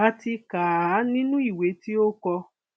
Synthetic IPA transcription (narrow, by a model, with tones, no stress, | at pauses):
a˨ti˧ka˨˦nĩ˦nũ˦i˦˨we˨˦ti˦o˦kɔ˧